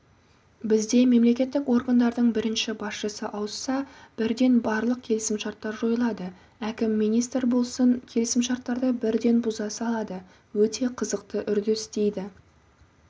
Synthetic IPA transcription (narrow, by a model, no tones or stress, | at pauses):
bɪzd̪e̞me̞mle̞kʲe̞t̪ːɪkwo̞ɾɡand̪ɑɾd̪əɴbɪɾɪnʃɪbɑsʃəsəʔɑwəsːɑb̥ɪɾd̪e̞nbɑɾlˠəq̚kʲʰe̞lɪsɪmʃɑɾt̪ːɑɾʒo̞jəlˠɑd̪ə | ækʲɪmːijnijst̪ɾbo̞lˠsəɴkʲʰe̞lɪsɪmʃɑɾt̪ːɑɾd̪əbɪɾd̪e̞nbʊzɑsɑlˠɑd̪ə | wɵt̪e̞qʰəzəqt̪əʔʏɾd̪ɪst̪e̞jd̪ɪ